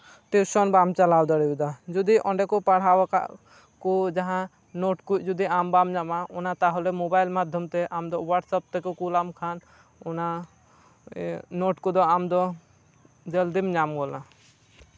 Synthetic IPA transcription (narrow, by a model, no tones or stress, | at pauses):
t̪iʃɔnbamt͡ʃalawd̪ɔɽiud̪ad͡ʒud̪iʔɔɳɖɛkɔpaɽ̤awaka̰ʔ | kud͡ʒaɦã | noʈkut͡ʃd͡ʒud̪iambamɲamaʔɔnat̪aɦɔlɛmobajlmad̪ʱjɔmt̪ɛʔamd̪ɔwaʈsɔp̚t̪ɛkɔkulamkʰan | ɔna | noːʈkɔd̪ɔamd̪ɔ | d͡ʒəld̪imɲamɡɔla